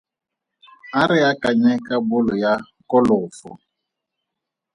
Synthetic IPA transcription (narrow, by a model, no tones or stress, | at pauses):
aɾɪakaɲɛkabʊlʊja | kɔlʊfʊ̰